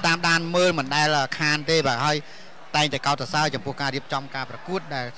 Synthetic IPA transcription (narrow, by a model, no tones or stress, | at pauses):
t̪aːmɗaːnməːlmɨnɗaɛlʔəːkʰaːnt̪eːɓaːɦaəj | t̪aɛŋt̪aɛkaɔt̪̚ːasaət͡ɕɑmpʊ̆əhkaːɾiəp̚t͡ɕɑmkaːprɑkuət̪̚ɗaɛl